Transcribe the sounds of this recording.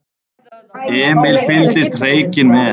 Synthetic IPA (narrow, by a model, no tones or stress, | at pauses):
ɛːmɪlfɪlt̪ɪst̪r̥eːjcɪnmɛ